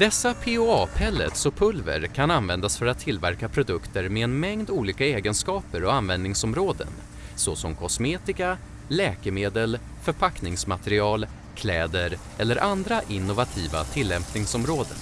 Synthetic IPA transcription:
d̪̥ɛsːapʰeːoɑːpʰɛlːə̰t̪sɔpʰɵlvə̰ɾkʰananvɛnd̪asfœɾat̪ʰːɪlvæɾkapʰɾʊd̪ɵkt̪əɾmeɛnmɛŋd̪uːliːkaeːɡənskɑːpəɾɔanvɛnd̪nɪŋsɔmɾoːd̪ə̰n | sɔsɔmkʰɔsmeːt̪ɪka | lɛːkəmeːd̪əl | fœɾpʰaknɪŋsmat̪əɾɪɑːl | kʰlɛːd̪əɾ | ɛlːəɾʔand̪ɾaʔɪnːʊvat̪ʰiːva̰t̪ʰɪlːɛmpnɪŋsɔmɾoːd̪ə̰n

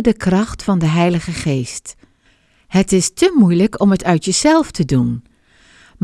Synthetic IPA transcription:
dəkrɑχtfɑndəɦɛjləχəχejst | hətɪstəmujləkɔmətœɥtjəz̥ɛlˠftʰədun | m

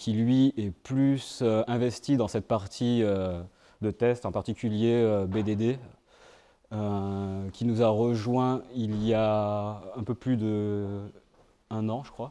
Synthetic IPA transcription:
kʲʰilɥiɛplysøɛ̃vɛst̪id̪ɑ̃sɛt̪̚paʁt̪ʰiø | d̪ət̪ɛst̪ɑ̃paʁt̪ikʲyljeøbed̪ed̪e | økʲinuzaʁəʒwɛ̃ilja | ɛ̃pøplyd̪ə | ɛ̃nɑ̃ʒəkχwa

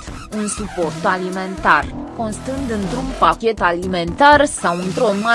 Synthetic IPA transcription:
unsupo̞rt̪alime̞nt̪arko̞nst̪ɨnd̪ɨnt̪ɾunpakʲe̞t̪alime̞nt̪arsawɨnt̪ɾonma

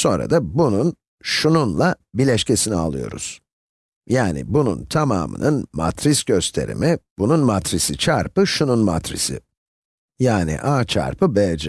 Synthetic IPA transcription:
so̞nɾa̰d̪abunun | ʃununlˠa | bilʲɛʃcʰesinia̰lˠɯjo̞̰ɾṵz̥ | jaːnḭbunṵnt̪ʰama̰ːmɯ̰nɯnma̰t̪ʰɾisɟø̞st̪ʰe̞̰ɾḭmib̥ununmat̪ɾisit͡ʃʰaɾpɯʃununma̰t̪ɾḭsɪ̰ | jaːnḭʔaːt͡ʃʰa̰ɾpʰɯbɛld͡ʒɛ

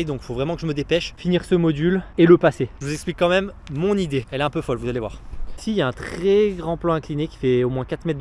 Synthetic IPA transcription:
jd̪ɔ̃kfovʁɛmɑ̃kəʒəməd̪epɛʃfiniʁsəmɔd̪yleləpaseʒəvuzɛksplikːɑ̃mɛmːɔ̃nid̪eɛlɛɛ̃pøfɔlvuzalevwa̰ʁsiljaɛ̃t̪χɛɡʁɑ̃plɑ̃ɛ̃klinekʲi̥fɛomwɛ̃kat̪mɛt̪̚d̪

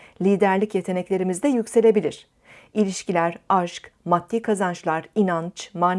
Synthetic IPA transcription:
lʲiːd̪æɾlʲicje̞t̪ʰe̞nɛclʲe̞ɾimizd̪ɛjycse̞lʲe̞bilʲiɾ̝̥ | ilʲiʃcilʲæɾaʃkmat̪ʰːiːkʰazant͡ʃlˠaɾinant͡ʃmaːn

